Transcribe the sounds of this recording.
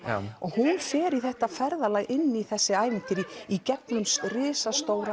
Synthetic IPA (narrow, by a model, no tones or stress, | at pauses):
ɔɣhunfɛːɾiθɛht̪afɛɾðalaːjɣʔɪnːiθɛsːɪaːjvɪnt̪ɪɾiicɛpnʏmsrɪːsast̪oːwɾa